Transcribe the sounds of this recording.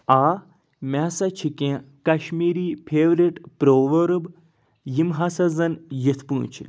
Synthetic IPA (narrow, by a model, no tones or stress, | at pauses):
aː | mʲɛsɐt͡ʃʰikẽkɐʃmiːɾiːpʰeːʋɾiʈpɾoːʋɐɾub | jimɦɐsɐzɐnjit̪ʰpũːt͡ʃʰḭ